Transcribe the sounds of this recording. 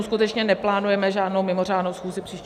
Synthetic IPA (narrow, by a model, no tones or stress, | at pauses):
skut̪ɛt͡ʃɲɛnɛplaːnujɛmɛʒaːdno̞wmɪmo̞r̝aːdno̞wsxuːzɪpr̥iːʃc